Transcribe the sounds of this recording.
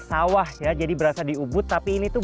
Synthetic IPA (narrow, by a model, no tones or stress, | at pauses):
sawahjad͡ʒadibəɾasadiubʊt̪ːapiːnit̪u